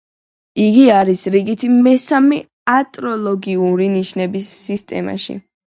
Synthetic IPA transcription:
iɡiaɾisɾiɡit̪ʰimɛsami | at̪ʼɾɔlˠɔɡiuɾiniʃnɛbisːist̪ʼɛ̰ma̰ʃḭ

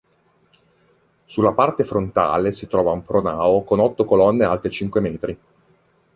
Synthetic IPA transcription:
sulːapart̪efɾont̪a̰ːlesit̪ɾɔːvaumpɾonaːokonɔt̪ːokolɔnːealt̪ɾet͡ʃiŋkwemɛːt̪ɾi

